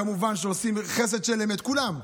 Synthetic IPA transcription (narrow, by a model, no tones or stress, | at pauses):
amuvanʃeosimχes̬e̞d̪ʃelemet̪kulam